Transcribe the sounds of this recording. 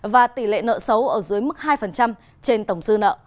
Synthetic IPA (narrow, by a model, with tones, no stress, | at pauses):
vaː˨˩t̪i˧˩lḛ˧˨nə̰˧˨sə˨˦wʔəː˧˩zɨ˨˦əjmɨ˦˥t̚hɦaː˧jfə˨˩nt͡ɕa˧m | t͡ɕe˧nt̪ə˧˩wŋ͡msɨ˧nə̰ː˧˨